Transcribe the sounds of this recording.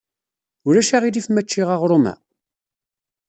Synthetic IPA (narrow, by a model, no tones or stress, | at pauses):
ʊɾæʃaʁilifmæt͡ʃːɪʁaʁɾˤomæ̰